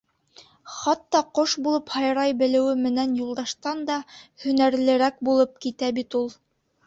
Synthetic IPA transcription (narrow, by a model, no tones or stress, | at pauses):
χɑt̪ːɑqoʃbulˠɤphɑjɾɑjbɘ̆lɘ̆wɘmɘ̆nænjulˠd̪ɑʃt̪ɑnd̪ɑhɵ̆næɾlɘ̆ɾæk̚bulˠɤp̚kit̪æbit̪ulˠ